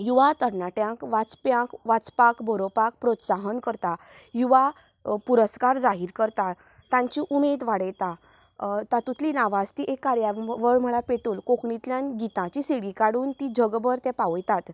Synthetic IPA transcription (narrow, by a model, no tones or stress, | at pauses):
juʋat̪əɾnaʈjãkʋat͡spjãkʋat͡spakbʱəɾopak̚pɾot̪saɦənkəɾt̪a | juʋa | puɾəskaɾd͡zaɦiɾkəɾt̪a | t̪ãɲt͡ɕiʔumed̪ʋaɽəjt̪a | t̪at̪ut̪linaʋast̪iʔekːaɾjaʋəɭm̤əɭapeʈuːlkokɳit̪ljãnɡit̪ãt͡ɕiseɽikaɽuːnt̪id͡ʑʱəɡbəɾt̪jɛ̃paʋjt̪at̪